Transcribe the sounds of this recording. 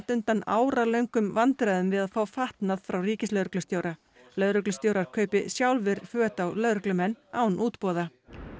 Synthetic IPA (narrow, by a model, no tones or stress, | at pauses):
t̪ʏnt̪anaːwɾalœɥjŋkʏmvant̪ɾajðʏmvɪðaðfaːwfaht̪naðfɾawriːcɪslœːðɾʏklʏst̪jowɾa | lœðɾʏklʏst̪jowɾaɾ̥kʰœːɥpɪsjawlvɪɾfœːt̪awlœðɾʏklʏmɛnːaːwnʔuːt̪pɔːða